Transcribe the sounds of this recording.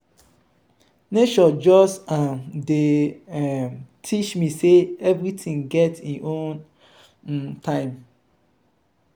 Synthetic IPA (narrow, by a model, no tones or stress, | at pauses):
neʃɔd͡ʒɔsamde | tʰit͡ʃmiseɛvɹitʰĩŋɡɛtiʔõn | tʰãɪ̃m